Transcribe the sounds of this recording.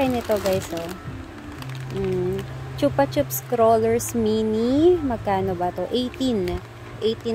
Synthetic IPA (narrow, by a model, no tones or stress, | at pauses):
ɐjnɪt̪oɡɐjso | m̩t͡ʃupɐt͡ʃʊp̚skɾoːlɛɹsminimɐɡ̚kaːnobɐt̪oʔejt̪in | ʔejt̪i